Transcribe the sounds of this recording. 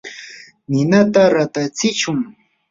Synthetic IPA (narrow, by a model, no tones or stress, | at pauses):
nɪnat̪aɾat̪at͡sɪt͡ʃʊŋ